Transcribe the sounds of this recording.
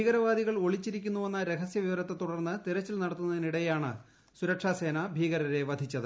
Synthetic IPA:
bʱiːɣɐɾɐʋaːd̪iɣɐɭo̞ɭit͡ɕːiɾikʲːunːue̞nːɐɾe̞ɡɐsjɐʋiʋɐɾɐt̪ːet̪uɽɐrnːɨt̪iɾɐt͡ɕːilnɐɽɐt̪ːunːɐðiniɽɐjaːɳɨ̰ | suɾɐkʂaːse̞ːnabʱiːɣɐɾɐɾe̞ʋɐd̪ʱit͡ɕːɐðɨ

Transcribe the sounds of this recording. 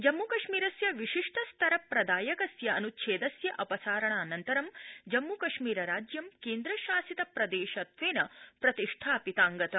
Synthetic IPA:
d͡ʒɐmːukɐʂmiːɾɐsjɐʋiʃiʂʈʰɐst̪ʰɐɾɐpɾɐd̪aːjɐkɐsjɐɐnutt͡ʃʰeːd̪ɐsjɐʔɐpɐsaːɾɐɳaːnɐnt̪ɐɾɐmd͡ʒɐmːukɐʃmiːɾɐɾaːd͡ʒjɐmkeːnd̪ɾɐʃaːsit̪ɐpɾɐd̪eːʃɐt̪ʋeːnɐpɾɐt̪iʂʈʰaːpit̪aːŋɡɐt̪ɐ

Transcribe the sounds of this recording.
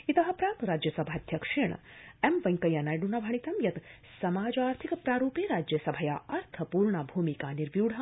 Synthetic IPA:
it̪ɐɦɐ̆pɾaːkɾaːd͡ʒjɐsɐbʱaːd̪ʱjɐkʂiɳ̰emʋɐŋkɐjanaːjɖunɐbʱɐɳ̃it̪ɐmjɐt̪ | sɐmaːd͡ʒaːɾt̪ʰikpɾaːɾuːpeɾaːd͡ʒjɐsɐbʱɐjaːɐɾt̪ʰɐpuːɾɳabʱuːmikaːniɾʋjuːɽɦɐ

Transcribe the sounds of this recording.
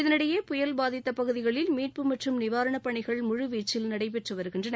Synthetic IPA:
ɪðɐnɪɽɐjeːpʊjɐlbaːðɪt̪ːɐpɐɣɯðɪɣɐɭɪlmiːrpɯmɐʈrɯmnɪʋaːɾɐɳɐpɐɳɪɣɐɭmʊɻʊʋiːt͡ʃːɪlnɐɽɐɪp̬ɛʈrɯʋɐɾɯɣɪndrɐn

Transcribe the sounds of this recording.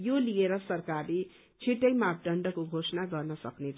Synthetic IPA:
jolijeɾʌsʌrkarle | t͡sʰiʈʌjmap̚ɖʌɳɖʌkoɡʱosʌnaɡʌrnʌsʌknet͡sʰ

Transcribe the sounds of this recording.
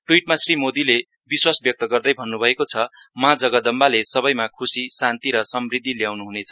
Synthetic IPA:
ʈuiʈmasrimod̪ile | biswasbjʌk̚t̪ʌɡʌrd̪ʌjbʱʌnːubʱʌekot͡sʰʌmad͡zʌɡʌd̪ʌmbalesʌbʌjmakʰusisant̪iɾʌsʌmrid̪ʱːiljawnuɦunet͡sʰʌ

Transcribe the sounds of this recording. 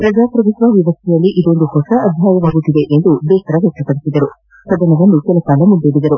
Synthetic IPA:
pɾɐd͡ʒaːpɾɐʋut̪ʋɐʋiʋɐst̪ʰɛjɐlːiʔid̪o̞nd̪uhɔsɐɐb̪ʱjaːjɐʋaːɡut̪ːid̪e̞ʔend̪ubɛːt̪ɐɾɐʋɛk̚ʈ̪ɐpɐɽisid̪ɐɾu | pɾɐd̪ɐnɐʋɐnːukɛlɐkaːlɐmund̪eːɽid̪ɐɾu

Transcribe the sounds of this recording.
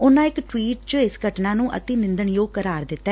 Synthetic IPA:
ʊnãːɪkʈwiːʈt͡ʃəɪsɡʱəʈnãːnũːʔə̰t̪eːnɪ̃nd̪əɳjoːɡ̚kəɾaːɾd̪ɪt̪ːɛ

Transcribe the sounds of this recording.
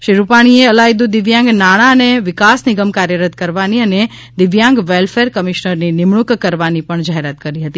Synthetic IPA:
ʃiɾupaɽ̃ieəlajd̪ud̪ɪʋjãŋɡnaɽ̃aəneʋɪkasnɪɡəmkaɾjəɾət̪̚kəɾʋaniəne | d̪ɪʋjãŋɡʋelfeɾkəmiʃnəɾninɪmɳukkəɾʋanipəɳd͡ʒaɦeɾat̪kəɾiɦət̪i

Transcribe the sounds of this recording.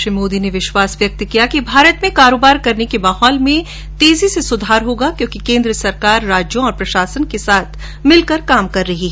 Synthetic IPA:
ʃɾimoːd̪ineʋɪʃwaːsʋjɐk̚t̪kijakibʱaːɾət̪mẽkaːɾoːbaːɾkɐɾnekemaːɦɔːlmẽ | t̪eːzisesʊd̪ʱaːɾɦoːɡakjõːkikẽːnd̪ɾəsɐɾkaːɾːaːd͡ʒjõɔːɾpɾɐʃaːsənkesaːt̪ʰ | mɪlkɐɾkaːmkɐɾːɐɦiɦɛ

